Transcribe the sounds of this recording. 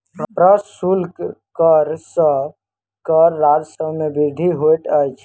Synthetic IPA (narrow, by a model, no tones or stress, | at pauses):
pɾəsulkkəɾsə̃ | kəɾːad͡ʒsəbmebiɾd̪ʱiɦojʈəjt͡ʃʰ